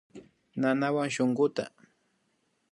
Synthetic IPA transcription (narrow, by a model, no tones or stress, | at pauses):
nanawaŋʃoŋɢʊt̪a̰